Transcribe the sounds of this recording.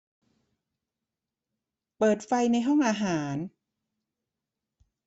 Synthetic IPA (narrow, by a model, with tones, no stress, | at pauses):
pɤː˨˩t̪̚fa˧jna˧jɦɔ˥˩ŋʔaː˧ɦaː˩˦n